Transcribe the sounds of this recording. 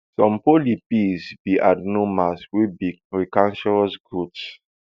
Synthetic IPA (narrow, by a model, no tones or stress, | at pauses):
sɔ̃mpolipisbiʔadnomaswibiɹikãnʃɔɹɔsɡɹups